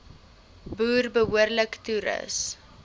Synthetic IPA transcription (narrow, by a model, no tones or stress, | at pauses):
buːrbəɦuərləktuɾə̰s